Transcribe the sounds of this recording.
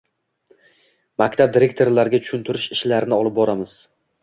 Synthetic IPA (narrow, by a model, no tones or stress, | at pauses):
makʲt̪ʰab̚d̪iɾe̞kʲt̪ʰo̞ɾlaɾɡʲat͡ʃ̪ʰʊ̥ʃʊnt̪ʰʊɾɪʃɪʃlaɾɪnɪɒlˠɪp̚bɒɾamɪz̥